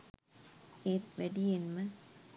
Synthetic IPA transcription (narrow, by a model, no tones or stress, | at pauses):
eːt̪ʋæɖijenmɨ